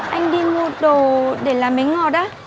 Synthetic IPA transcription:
ʔa˧jŋ̟ɗi˧mu˧˩ɗo˨˩ɗe˧˩laː˨˩mi˨˦ŋ̟ŋɔ˧˨˩ɗaː˨˦

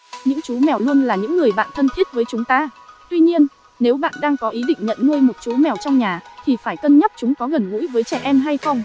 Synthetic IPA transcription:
ɲɨ̰˧˥ŋt͡ɕu˨˦mɛ˨˩wlu˧ənlaː˨˩ɲɨ̰˧˥ŋːɨ˨˩əjɓa̰ː˧˨nt̪ʰə˧nt̪ʰi˦˥ət̚vəː˨˦jt͡ɕʊ˨˦ŋ͡mt̪aː˧t̪wi˧ɲi˧ən | ne˨˦wɓa̰ː˧˨nɗaː˧ŋkɔ˨˦ʔi˨˦ɗḭ˧˨ŋ̟ɲə̰˧˨nŋu˧jmo˨˩t̚t͡ɕu˨˦mɛ˨˩wt͡ɕɔ˧wŋ͡mɲaː˨˩t̪ʰi˨˩faː˧˩jkə˧nɲə˦˥p̚t͡ɕʊ˨˦ŋ͡mkɔ˨˦ɣə˨˩nŋṵ˧˥jvəː˨˦jt͡ɕɛ˧˩ʔɛ˧mɦa˧jxə˧wŋ͡m

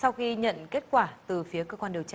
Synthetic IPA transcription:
sa˧wxi˧ɲə̰˧˨nke˦˥t̚kwaː˧˩t̪ɨ˨˩fi˨˦əkəː˧kwaː˧nɗi˨˩əwt͡ɕa˧

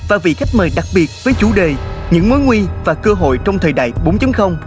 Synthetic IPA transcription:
vaː˨˩vḭ˧˨xa˦˥jk̟̚məː˨˩jɗa˨˩k̚ɓi˨˩ət̚vəː˨˦jt͡ɕu˧˩ɗe˨˩ɲɨ̰˧˥ŋmo˨˦jŋwi˧vaː˨˩kəː˧ɦo̰˧˨jt͡ɕɔ˧wŋ͡mt̪ʰəː˨˩jɗa̰ː˧˨jɓu˨˦ŋ͡mt͡ɕɨ˨˦ŋxə˧wŋ͡m

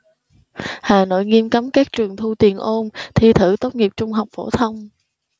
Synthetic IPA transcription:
haː˨˩no̰˧˨jŋi˧əmka˨˦mkaː˦˥k̚t͡ɕɨ˨˩əŋt̪ʰu˧t̪i˨˩ənʔo˧nt̪ʰi˧t̪ʰɨ˧˩t̪o˦˥t̚ŋi˨˩əp̚t͡ɕʊ˧ŋ͡mɦa˨˩wk͡p̚fo˧˩t̪ʰə˧wŋ͡m

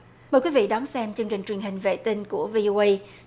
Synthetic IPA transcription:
məː˨˩jkwi˨˦vḭ˧˨ɗɔ˨˦nsɛ˧mt͡ɕɨ˧əŋt͡ɕï˨˩ŋ̟t͡ɕwi˨˩ənhɦï˨˩ŋ̟vḛ˧˨t̪i˧ŋku˧˩əvi˧ʔo˧ʔə˧j

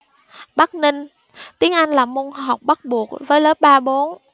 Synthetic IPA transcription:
ɓa˦˥k̚nï˧ŋ̟ | t̪i˨˦əŋʔa˧jŋ̟laː˨˩mu˧nɦa˨˩wk͡p̚ɓa˦˥t̚ɓu˨˩ək̚vəː˨˦jləː˨˦˥p̚ɓaː˧ɓo˨˦n

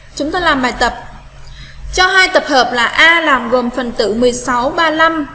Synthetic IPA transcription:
t͡ɕʊ˨˦ŋ͡mt̪oaː˧jlaː˨˩mɓaː˨˩jt̪ə˨˩p̚ | t͡ɕɔ˧ɦaː˧jt̪ə˨˩p̚həː˨˩p̚laː˨˩ʔaː˧laː˨˩mɣo˨˩mfə˨˩nt̪ɨ̰˧˥mɨ˨˩əjsa˨˦wɓaː˧la˧m

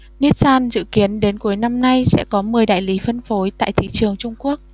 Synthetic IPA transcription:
ni˦˥ət̚saː˧nzɨ̰˧˨ki˨˦ənɗe˨˦nku˨˦əjna˧mna˧jsɛ̰˧˥kɔ˨˦mɨ˨˩əjɗa̰ː˧˨jli˨˦fə˧nfo˨˦jt̪a̰ː˧˨jt̪ʰḭ˧˨t͡ɕɨ˨˩əŋt͡ɕʊ˧ŋ͡mku˦˥ək̚

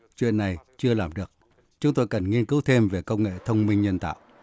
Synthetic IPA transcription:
t͡ɕwḭ˧˨ənːa˨˩jt͡ɕɨ˧əlaː˨˩mɗɨ˨˩ək̚ | t͡ɕʊ˨˦ŋ͡mt̪o˧jkə˨˩nŋi˧ənkɨ˨˦wt̪ʰe˧mve˨˩kə˧wŋ͡mŋḛ˧˨t̪ʰə˧wŋ͡mmï˧ŋ̟ɲə˧nt̪a̰ː˧˨wʔ

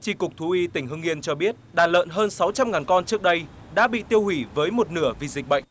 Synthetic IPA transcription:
t͡ɕi˧˩kʊ˨˩k͡p̚t̪ʰu˨˦ʔi˧t̪ï˧˩ŋ̟ɦɨ˧ŋi˧ənt͡ɕɔ˧ɓi˦˥ət̚ɗaː˨˩nlə̰ː˧˨nɦəː˧nsa˨˦wt͡ɕa˧mŋaː˨˩nkɔ˧nt͡ɕɨ˦˥ək̚ɗə˧j | ɗa̰ː˧˥ɓḭ˧˨t̪i˧əwhwi˧˩vəː˨˦jmo˨˩t̚nɨ˧˩əvi˨˩zi˨˩k̟̚ɓə̰˧˨jŋ̟

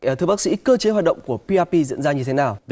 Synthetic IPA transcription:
t̪ʰɨ˧ɓa˦˥k̚sḭ˧˥kəː˧t͡ɕe˨˦ɦwːt̚ɗə̰˧˨wŋ͡mku˧˩əpi˧ʔaː˧pi˧zḭ˧˨nzaː˧ɲɨ˧t̪ʰe˨˦naː˨˩w

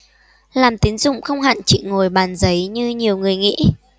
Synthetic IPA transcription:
laː˨˩mt̪i˨˦ənzʊ̰˧˨ŋ͡mxə˧wŋ͡mɦa̰ː˧˨nt͡ɕḭ˧˨ŋo˨˩jɓaː˨˩nzə˨˦jɲɨ˧ɲi˨˩əwŋɨ˨˩əjŋḭ˧˥

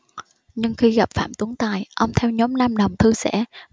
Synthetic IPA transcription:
ɲɨ˧ŋxi˧ɣa˨˩p̚fa̰ː˧˩mt̪u˨˦əŋt̪aː˨˩jʔə˧wŋ͡mt̪ʰɛ˧wɲɔ˨˦mna˧mɗə˨˩wŋ͡mt̪ʰɨ˧sɛ̰˧˩

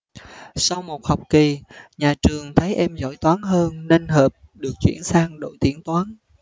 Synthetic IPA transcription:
sa˧wmo˨˩t̚ha˨˩wk͡p̚ki˨˩ɲaː˨˩t͡ɕɨ˨˩əŋt̪ʰaː˨˦jʔɛ˧mzɔ̰˧˩jt̪waː˨˦nɦəː˧nne˧nɦəː˨˩p̚ɗɨ˨˩ək̚t͡ɕwḭ˧˩ənsaː˧ŋɗo̰˧˩jt̪i˨˦əŋt̪waː˨˦n

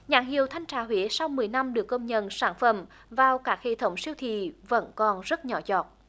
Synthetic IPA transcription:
ɲaː˧˩ŋɦḭ˨əwt̪ʰa˧jŋ̟t͡ɕaː˧˩ɦwi˧˨˦sa˧wmɨ˨˩əjna˧mɗɨ˨˩əkːə˧wŋ͡mɲə̰˧˨nsaː˧˩nfə˧˩˨m | vaː˨˩wkaː˦˥k̚hḛ˧˨t̪ʰə˨˦wŋ͡msi˧əwt̪ʰḭ˧˨və̰˧˥nkɔ˨˩nzə˦˥t̚ɲɔ˨˦zɔ˨˩t̚

